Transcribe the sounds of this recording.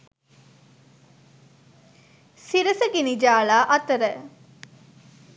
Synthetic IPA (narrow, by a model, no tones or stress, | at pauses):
siɾəsəɡinid͡ʒaːɭaːʔɐt̪əɾə